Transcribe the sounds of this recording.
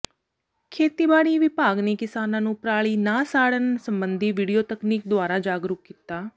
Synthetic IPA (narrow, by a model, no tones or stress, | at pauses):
kʰeːt̪iːbaːɽiːʋɪpaːɡniːkɪsaːnãːnũːpɾaːɭiːnaːsaːɽənsəmbənd̪iːʋiːɖijoːt̪əkniːk̚d̪ʊaːɾaːd͡ʒaːɡɾʊkːɪt̪aː